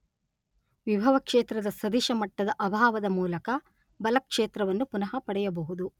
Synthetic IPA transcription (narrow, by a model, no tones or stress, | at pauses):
ʋibʱɐʋɐkʂeːt̪ɾɐd̪ɐsɐd̪iʃɐmɐʈːɐd̪ɐʔɐbʱaːʋɐd̪ɐmuːlɐkɐ | bɐlɐkʂeːt̪ɾɐʋɐnːupunɐɦɐpɐɽɛjɐbɐɦud̪u